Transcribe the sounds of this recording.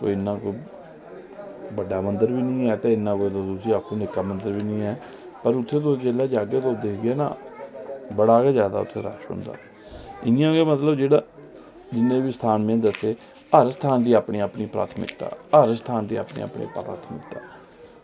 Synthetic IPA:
ko̰ːɪnːãːkoː | bəɖːaːmənd̪əɾbiːnĩːɛːt̪eːɪnːãːkoːid̪oːd̪ʊsiːaːkʰːũːnɪkːaːmə̃nd̪əɾʋiːnĩːɛː | pəɾʊt̪ʰːeːt̪oːd͡ʒeːlaːd͡ʒaːɡeːt̪od̪eːkʰɡɪɛːnã̰ː | bəɽaːkeːzjaːd̪a̰ːʊ̰t̪ʰːḛːɾa̰ːʃɦʊ̰̃nd̪a̰ː | ɪnjãːɡeːmət̪ləbd͡ʒeːɽaː | d͡ʒɪnːẽːbiːst̪ʰaːnmẽːd̪əseː | əɾst̪ʰaːnd̪iːaːpɳiːaːpɳiːpɾa̰ːt̪ʰmɪ̰kt̪a̰ːəɾst̪ʰaːnd̪ḭːa̰ːpɳḭːa̰ːpɳḭːpɾa̰ːt̪ʰmɪkt̪a̰ː

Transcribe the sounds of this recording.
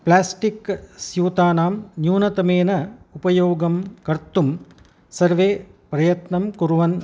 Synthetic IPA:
plaːsʈiksjuːt̪aːnaːmnjuːnɐt̪ɐmeːnɐupɐjoːɡɐmkɐrt̪ːum | sɐɾʋeːpɾɐjɐt̪nɐmkuɾuʋɐn

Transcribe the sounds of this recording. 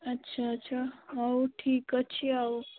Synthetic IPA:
ətːɕʰaətːɕʰaaoʈʰiːkət͡ʃʰiao

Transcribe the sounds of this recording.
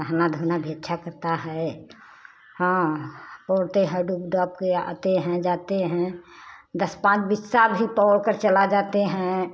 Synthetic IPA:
əɦnad̪ʱunabʱet̪t͡ʃʰakəɾt̪aɦɛ | hãpɔːɽt̪eɦɛ̃ɖukɖɔp̚kea̰t̪eɦɛ̃d͡ʒat̪eɦɛ̃d̪əspãt͡ʃbɪsabʱipɔɽkəɾt͡ʃəlad͡ʒat̪eɦɛ̃

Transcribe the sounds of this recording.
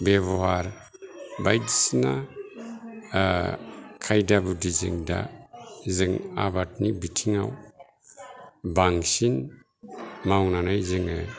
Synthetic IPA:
beβɔwaɾ | bajdisina | kʰajdabudizɯ̰ŋda̰zɯŋabat̚nibitʰiŋaw | baŋsin | mawnanajzɯŋɯ

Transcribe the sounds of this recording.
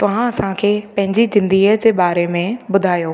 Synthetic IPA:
t̪ɐʋ̤ãɐsãkʰeːpɐ̃ɦɪ̃ɲd͡ʑid͡ʑɪ̃nd̪iəd͡ʑeːɓaːɾemẽbʊd̪ʱaːjoː

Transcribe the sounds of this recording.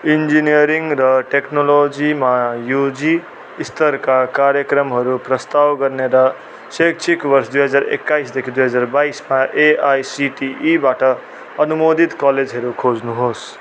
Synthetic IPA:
ind͡ʒinijʌɾiŋɡɾʌʈeknolod͡ʒimajud͡ʒiː | st̪ʌɾkakaɾjʌkɾʌmɦʌɾupɾʌst̪awɡʌɾneɾʌ | sek̚t͡ʃʰikbʌɾsd̪ujɦʌd͡zaɾḛkːaisd̪ekʰid̪uɦʌd͡zaɾbaismaʔeajsiʈiʔibaʈʌː | numod̪ʱit̪kaled͡ʒɦʌɾukʰod͡znuɦos

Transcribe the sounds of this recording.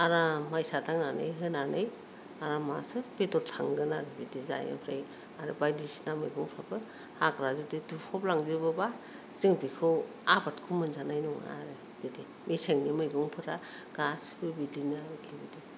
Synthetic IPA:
aɾamajsatʰaŋnanɯ̰jɦɯnanɯj | aɾama̰sɯpetɔltʰa̰ŋɡɯnaɾɯbidiza̰ja̰pʰɾa̰j | aɾɯbajdisnamɯjɡuŋpʰɾabɯ | hakɾazudidupʰɔplaŋzɯbɯba | ziŋpikʰɯw | abatkʰumɯnzanajnɔŋ̰a̰ɾɯ | b̥idi | miseŋnimɯjɡɯŋpʰɯɾa | ɡ̥asbɯbidinakʰibɯdi

